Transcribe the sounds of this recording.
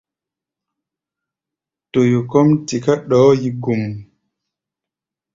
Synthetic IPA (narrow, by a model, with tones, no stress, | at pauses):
to˨jo˨kɔ˦mti˨ka˦ɗɔ˨˦ji˨ɡu˨m